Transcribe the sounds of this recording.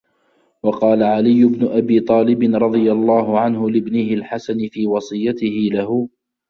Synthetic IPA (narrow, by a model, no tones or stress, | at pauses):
wɑqɑːlaʕalɪjːʊbnʊʔabiːt̪ˤɑːlɪbɪnɾˤɑd̪ˤɨjalˤːɑːɦʊʕanɦʊlɪbnɪhɪlħasanfiːwɑsˤɨjːat̪ɪhɪlahʊ